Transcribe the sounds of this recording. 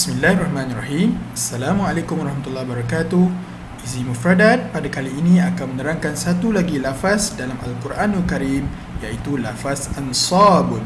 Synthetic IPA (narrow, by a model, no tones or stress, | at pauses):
bi̥smilːahrˤɑhmãnarɑhimasːalamaalakʊmwaɾˤɑhmat̪ulːahbaɾɑkat̪uh | izimufɾadat̪̚padakaliːnĩakanmənəɾaŋkansat̪ulaɡilafasdalama̰lkuɾʔanalkaɾim | jait̪ulafasansɑbʊn